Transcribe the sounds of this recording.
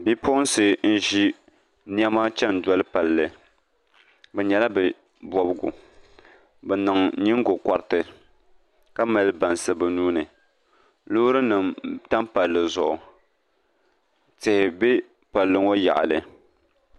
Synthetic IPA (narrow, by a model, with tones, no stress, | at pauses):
bi˦pʰʊ˦n˦sɨ˨n̩˦ʒi˦ | ni˦ɛ˦maː˦t͡ʃɛ˦n˨dɔ˦lɨ˦pa˨llɨ˨ | bɛ˨ɲɛ˨la˦bɛ˨ | bɔ˨bɡʊ̰˨ | bɛ˨nɨ˨ŋɲi˦ŋ˦ɡo˨ka˨ɾtɨ˨ | ka˦ma˨lɨ˦ba˨nsɨ˨bɛ˨nuː˦nɨ˨ | lʊ˦ɾɨ˦nɨ˨mta˦m˦pa˨lːɨ˨zʊ˨ʔʊ˨ | tɪ˨hɪ˨be˦ | pa˨lːɨ˨ŋo˦ja̰˨ʔa̰˨lɨ˨